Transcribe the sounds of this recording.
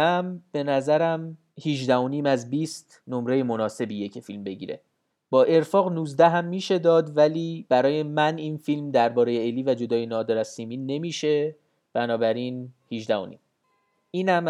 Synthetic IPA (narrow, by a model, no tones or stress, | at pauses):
æmb̥e̞næzæɾæm | hiʒd̪æho̞niːmæzbiːst̪ | no̞mɾe̞jemo̞nɒːse̞bijecʰe̞filmbe̞ɟḭːɾe̞̰ | b̥ɒːʔe̞ɾfɒːɣnuːzd̪æɦæmːiːʃe̞d̪ɒːd̪væliːb̥æɾɒːje̞mæniːnfilmd̪æɾbɒːɾe̞jeeliːvæd͡ʒo̞d̪ɒːjenɒːd̪ɒɾæsiːmiːne̞miːʃe̞ | b̥ænɒːbæɾinhiʒd̪æho̰nḭːm | iːnæm